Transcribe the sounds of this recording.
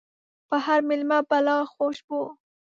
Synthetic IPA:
pəhaɾmɪlmapalɑxoʃbo

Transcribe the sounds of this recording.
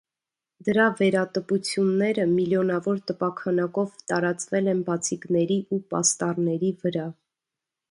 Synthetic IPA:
d̪əɾɑvɛɾɑt̪əput͡sʰjunːɛɾəmiljɔnɑvɔɾt̪əpɑkʰɑnɑkɔvt̪ɑɾɑt͡svɛlɛnbɑt͡sʰiknɛɾiʔupɑ̰st̪ɑrnɛɾivəɾɑ

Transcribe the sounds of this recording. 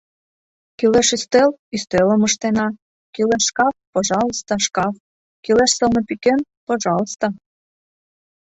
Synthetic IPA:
kileʃyst̪elyst̪eləməʃt̪enɑ | kileʃʃkɑfpoʒɑləst̪oʃkɑf | kileʃsəlnɤpiken | poʒɑlst̪o

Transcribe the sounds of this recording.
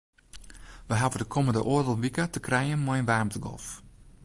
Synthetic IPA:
ʋəɦavədəkʰoməndəʔoədəlˠʋikətəkrɛjənmɔjnʋarmtəɡɔ̰lˠf

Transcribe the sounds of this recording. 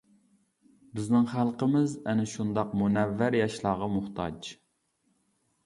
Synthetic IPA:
bɪznɪŋχælˠqəmɪzɛnɪʃund̪ɑqmunɛvːæɾjɑʃlˠɑːʁɑmʊχt̪ʰɑ̰d͡ʒ

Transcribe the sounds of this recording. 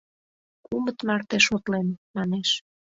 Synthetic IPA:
kumət̪mɑrt̪eʃot̪lenmɑneʃ

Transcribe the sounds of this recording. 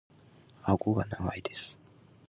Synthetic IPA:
aɡoɡanamaid̪esɨ̥

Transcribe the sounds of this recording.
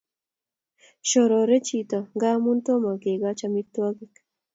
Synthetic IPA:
ʃoɾoɾet͡ʃit̪oɡaːmunt̪omakeɡat͡ʃamit̪ːwaɡik

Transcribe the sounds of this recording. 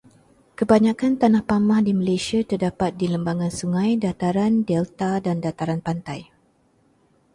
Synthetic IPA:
kəbaɲãkant̪anahpamãhdiməlesiat̪ərdapat̪̚diləmbaŋãnsuŋãjdat̪aɾandɛlt̪adandat̪aɾanpant̪aj

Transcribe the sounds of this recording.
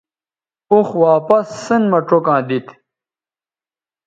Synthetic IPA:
uxwaːpɐsːənmɐʈ͡ʂokãːd̪it̪

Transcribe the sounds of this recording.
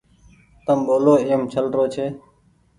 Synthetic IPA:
t̪əmɓoːloːɪːəmt͡ʃʰəlɾoːt͡ʃʰeː

